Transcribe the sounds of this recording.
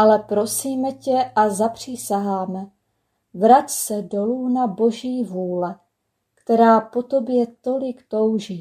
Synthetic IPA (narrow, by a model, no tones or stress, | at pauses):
ʔalɛpɾo̞siːmɛcɛʔazapr̝̥isaɦaːmɛ | vɾat̪sɛdo̞luːnabo̞ʒiːvuːlɛ | kt̪ɛɾaːpo̞t̪o̞bjɛt̪o̞lɪkt̪o̞wʒiː